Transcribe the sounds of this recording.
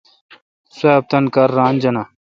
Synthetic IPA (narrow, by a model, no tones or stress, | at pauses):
seːb̚t̪ɐnkɐɾːaːnd͡ʑɐna